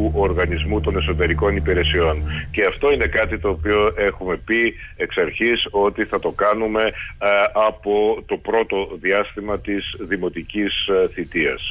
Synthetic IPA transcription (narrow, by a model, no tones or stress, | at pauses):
uʔo̞ɾɣɐnizmut̪o̞ne̞so̞t̪e̞ɾiko̞nipiɾe̞sio̞nce̞ɐft̪o̞ine̞kɐt̪it̪o̞ːpio̞ʔe̞xume̞pieksɐɾçiso̞t̪iθɐt̪o̞kɐnume̞ | ɐpo̞t̪o̞pɾo̞t̪o̞ðiɐst̪imɐt̪izðimo̞t̪icisθit̪iɐ̰s